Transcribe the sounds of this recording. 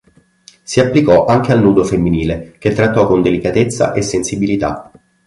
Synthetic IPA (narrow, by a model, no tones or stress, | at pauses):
siapːlikɔʔaŋk̟ealnuːd̪ofemːiniːleket̪ːɾat̪ːɔkːond̪elikat̪et̪sːa̰ʔesːensibilit̪a̰